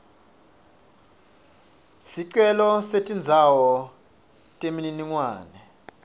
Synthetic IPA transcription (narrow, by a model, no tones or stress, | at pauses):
siǀɛlɔsetʼind͡zʱawɔ | tʼemininiŋwaːnɛ